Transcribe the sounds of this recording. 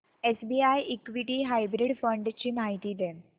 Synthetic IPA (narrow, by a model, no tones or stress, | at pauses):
esbiajʔikʋiʈiɦajbɾiɽfəɳɖt͡ɕinaɦjt̪id̪ɛ̃